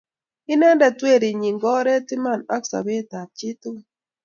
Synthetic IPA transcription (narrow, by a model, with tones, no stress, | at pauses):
i˦nɛ˦ndɛ˨twe˦˨ɾi˨ɲi˨ŋɡɔ˦ɾe˦ti˦ma˦˨na˦ksa̰˨βe˦ta˨t͡ʃi˦tu˦